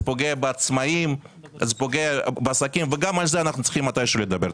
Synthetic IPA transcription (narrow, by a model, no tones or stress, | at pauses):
poɡeabeat͡smaim | zepoɡeabeasakimveɡamalzeanaχnut̪t͡si̥χimːat̪ajʃelojed̪abeɾ